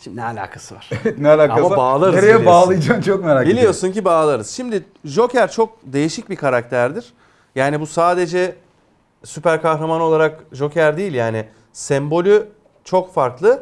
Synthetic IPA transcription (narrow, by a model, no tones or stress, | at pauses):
inɛalʲa̰ːkʰḁsɯvaɾ̥ɛnɛalʲaːkaasmabaːlˠaɾɯeɾejɛbaːlˠɯjd͡ʒamt͡ʃʰok̚meɾaːbillʲijo̞suncibaːlˠaɾɯz̥ʃimd̪ɪ | ʒo̞cʰæɾt͡ʃʰo̞k̚d̪e̞jiʃic̚bikʰaɾak̚t̪ʰæɾd̪iɾ̥ | jaːnibusaːd̪e̞d͡ʒɛ | sypæɾkʰaxɾamano̞lˠaɾakʒo̞cʰæɾd̪ijilʲjaːnɪ | sɛmbo̞lʲy | t͡ʃʰo̞kfaɾklˠɯ